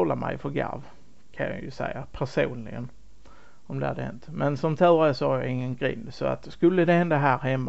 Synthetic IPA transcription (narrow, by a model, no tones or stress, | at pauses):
ɔlːamæjfɔɾɡa̰ɾv | kʰanja̰jɵ̰sɛ̰jːapʰæʂuːnlɪɡən | ɔmd̪ɛha̰d̪əhɛ̰nt̪mɛnsɔmt̪ʰʉːɾasɔhaɾjaɪŋːənɡɾɪ̰nd̪sɔa̰t̪skɵlːəd̪ɛhɛnd̪aɦæːɾhɛmːa